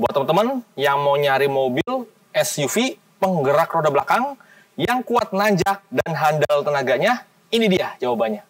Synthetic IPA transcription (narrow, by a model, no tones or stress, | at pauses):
bua̰t̪əmənt̪əmənjaŋmawɲaɾimobɪl | ɛsjufi | pəŋɡəɾakrodabəlakaŋ | jaŋkuat̪̚naɲd͡ʒaʔdanɦandalt̪ənaɡaɲa | inidiad͡ʒawabanɲa